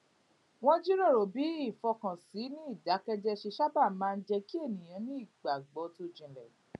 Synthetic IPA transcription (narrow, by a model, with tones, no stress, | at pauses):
w̃ɔ̃˦d͡ʒi˦ɾo˦˨ɾo˨bi˨˦i˦˨fɔ˧kã˨si˨˦nĩ˦i˦˨da˨˦kɛ˦d͡ʒɛ˧ʃe˧ʃa˦ba˦˨mãː˦˧n̩˦d͡ʒɛ˧ki˦e˦˨nĩ˨j̃ã˨˦nĩ˦i˦˨ɡ͡ba˨ɡ͡bɔ˨˦tu˧d͡ʒĩ˨lɛ˨